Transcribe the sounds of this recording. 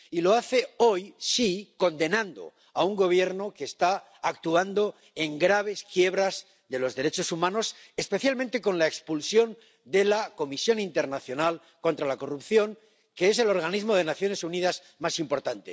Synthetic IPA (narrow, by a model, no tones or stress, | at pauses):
ilo̞aθe̞o̞jsiko̞nd̪e̞nãnd̪o̞̰ | auŋɡo̞β̞je̞ɾno̞ke̞ːst̪aː | k̚t̪uand̪o̞ | e̞ŋɡɾaβ̞e̞skje̞β̞ɾaz | ðe̞lo̞zðe̞ɾe̞t͡ʃo̞sumãno̞s | espe̞θjalmẽnt̪e̞ko̞nlaekspulsjo̞n | d̪e̞lako̞misjo̞nint̪e̞ɾnaθjo̞nal | ko̞nt̪ɾalako̞rupθjo̞ŋ | ke̞ese̞lo̞ɾɣ̞anizmo̞ð̞e̞naθjo̞ne̞suniðaz | masimpo̞ɾt̪ant̪e̞̰